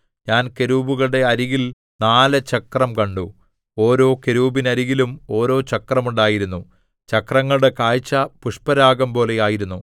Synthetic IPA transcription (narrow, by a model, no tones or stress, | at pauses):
ɲaːnke̞ɾuːbuɣɐɭɽe̞ɐɾiɣil | naːlɐt͡ɕɐkrɐmkɐɳɖu | o̞ːɾo̞ːke̞ɾuːbinɐɾiɣilumo̞ːɾo̞ːt͡ɕɐkrɐmuɳɖaːjiɾunːu | t͡ɕɐkrɐŋːɐɭɽe̞kaːjt͡ɕːɐpuʂpɐɾaːɡɐmpo̞ːle̞jaːjiɾunːu